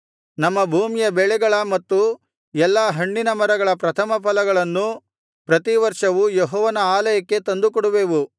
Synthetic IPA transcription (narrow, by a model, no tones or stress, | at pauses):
nɐmːɐbʱuːmijɐbɛɭɛɡɐɭɐmɐt̪ːu | ɛlːaːɦɐɳːinɐmɐɾɐɡɐɭɐpɾɐt̪ʰɐmɐpʰɐlɐɡɐɭɐnːu | pɾɐt̪iʋɐɾʂɐʋujeɦɔːʋɐnɐaːlɐjɐkːe̞t̪ɐnd̪ukɔɽuʋeːʋu